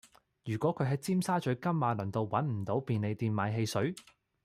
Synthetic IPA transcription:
jyː˨˩kʷɔː˨˥kʰɵ˨˧ɥɦɐ˧jt͡siː˥msaː˥t͡ʃɵ˨˥kɐ˥mːaː˨˧lɐ˨˩ŋt̪o˨˧wwɐ˨˥nm̩˨˩t̪o˨˥wpiː˨˧nle˨˧jt̪iː˨˧nmaː˨˧jɦe˧jsɵ˨˥

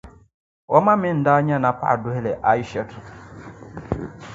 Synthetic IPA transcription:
ɔ˦ma˦mɪ˦n̩˨da˦ɲa˦na˨pa̰˦˨dʊ˦ɦe˦le˨ʔa˦i˦ʃɛ˦t

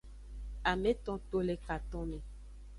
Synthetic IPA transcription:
a˨me˦t̪ɔ̃˦t̪o˦le˨ka˨t̪ɔ̃˦mẽ˨

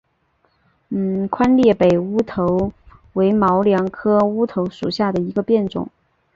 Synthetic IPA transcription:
n̩˥˩kʰwa˥nljɛ˥˩pe˨˩ɪu˥t̪ʰo˧˥ʊ | we˧˥ɪmɑ˧˥ʊljɑ˧˥ŋkʰɤ˥u˥t̪ʰo˧˥ʊʂu˨˩ɕja˥˩d̪ə˩i˧˥ɡə˧pjɛ˥˩nʈ͡ʂʊ̰˨˩˦ŋ

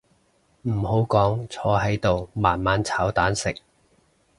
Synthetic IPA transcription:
m̩˨˩ho˨˥wkɔː˨˥ŋt͡sʰɔː˨˧˥ɦɐ˨˥jt̪o˨wmaː˨˩nmaː˨˧nt͡sʰaː˨˥wt̪aː˨˥nsɪ˨k̚

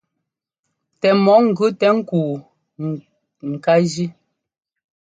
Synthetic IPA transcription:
tɛ˨mɔ˨˦ŋ̩˨ɡʉ˦tɛ˨˦ŋ̩˦kuː˨ | ŋ̩˨ka˦d͡ʒi˦

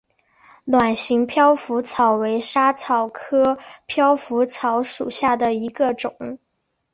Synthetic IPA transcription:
lwa˨˩nɕi˧˥ŋpʰjɑ˥ʊfu˧˥t͡sʰɑ˨˩ʊwe˧˥ɪʂa˥t͡sʰɑ˨˩ʊkʰɤ˥pʰjɑ˥ʊfu˧˥t͡sʰɑ˧˥ʊʂu˨˩ɕja˥˩d̪ə˩i˧˥ɡə˧ʈ͡ʂʊ˨˩˦ŋ

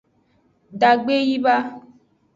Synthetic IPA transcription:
da˨ɡ͡be˦ji˦ba˦

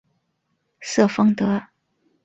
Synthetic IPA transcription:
sɤ˥˩fɤ˥ŋt̪ɤ˧˥

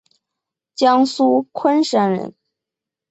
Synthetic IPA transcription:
t͡ɕjɑ˥ŋsu˥kʰwə˥nʂa˥nɻə̰˧˥n

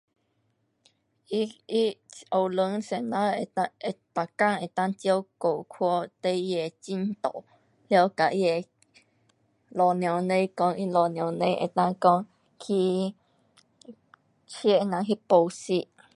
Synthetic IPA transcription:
i˧i˦o˨wlə˧ŋse˨nã˦˧e˧˨t̪a˨kã˦˨ŋe˨t̪ã˧˦tjo˦˧wko˨kʰwɔ˦t̪e˧˦je˧˨t͡ʃi˦nt̪ɔ̰˨ʔ | ljɔ˧ka˨ʔje˨ | lɔ˨nj̃ɔ̃˨nẽ˧˦jkɔ̃˧i˧lɔ˨nj̃ɔ̃˨nẽ˧˦ʔḛ˧˨t̪ã˧kɔ̃˧ | kʰiː˦ | t͡ʃje˦ʔnã˧ɦi˦po˧wsi˦ʔ

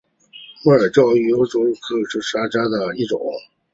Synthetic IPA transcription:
wɛ˥˩ə˞˨˩t͡ɕjɑ˥˧˩ʊy˥˧˩jo˧˥ʊʈ͡ʂo˧˥ʊ˧kʰɤ˥˩ʂɻ̩˥˩ʂa˥ʈ͡ʂa˥d̪ə˨i˥˩ʈ͡ʂʊ̰˨˩˦ŋ

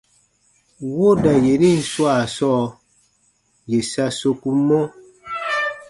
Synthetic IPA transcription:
wo˦da˨je˨ɾi˦˨n̩˨swa˦˨sɔ˦ | je˨sa˦so˦ku˦mo˦

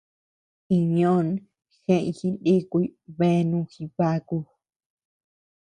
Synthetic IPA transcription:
i˧ɲõ˦n | xẽ˧ĩ˧xĩ˧ndi˦ku˧i˦βe˧˦˧nũ˧xĩ˧βa˧˦ku˧

